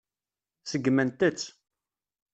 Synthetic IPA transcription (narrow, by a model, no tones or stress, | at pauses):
səɡːmænt̪ət͡sː